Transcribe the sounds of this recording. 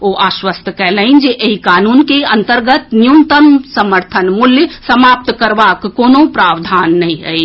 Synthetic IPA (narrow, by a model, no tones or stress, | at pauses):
oːʔaːʃwəst̪ʰəkɛɦləɪnd͡ʒeʔeɦikaːnuːnkeɐ̃nt̪əɾɡət̪njumt̪ənsəməɾt̪ʰənmuljəsəmaːp̚t̪kəɾʋakːoːnopɾaːʋd̪ʱaːnːɐɦĩɦɛi